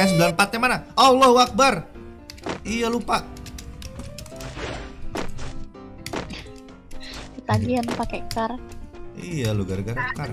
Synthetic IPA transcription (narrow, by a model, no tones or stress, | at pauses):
asblanpat̪ɛmanaawlɔɦwak̚bar | ijalupaʔ | ət̪aɡianpakɛkarijaluɡaɾɡaɾkar